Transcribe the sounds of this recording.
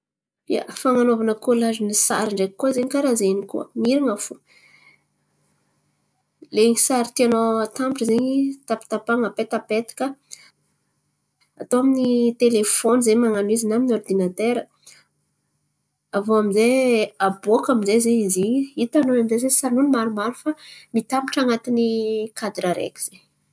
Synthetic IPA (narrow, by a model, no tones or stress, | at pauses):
ja̰faŋanovanəkulazinisa̰ɾiɳɖ͡ʐekːuzeɲikaɾazenikṵə̰miɾiŋafu | leŋisaɾit̪ianot̪ambʈ͡ʂizeɲit̪api̥t̪apaŋapet̪apet̪i̥kə | at̪oaminit̪elefɔnizemaŋanuizinaminɔrd̪inat̪eɾə | avoamizeaboakaminzezeiziit̪anunamizezesanunimaɾumaɾufamit̪apiʈ͡ʂaŋat̪inikad̪ɾaɾḛkʲi̥z̥e